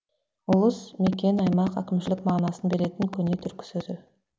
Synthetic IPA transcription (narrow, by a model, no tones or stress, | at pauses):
ʊlˠəsme̞kʲe̞nɑjmɑqækʲɪmʃɪlɪkmɑʁnɑsənbe̞ɾe̞t̪ɪŋkʲʰɵne̞t̪ʰʏɾkʲɪ̥sɵzɪ